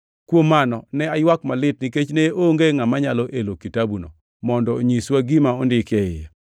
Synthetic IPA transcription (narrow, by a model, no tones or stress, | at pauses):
kwomːanɔnɛajwakmalɪtniket͡ʃneoŋɡeŋamaɲalɔʔelokitabuno̰ | mɔndɔoɲiswaɡimaondɪkjɛjɪ̰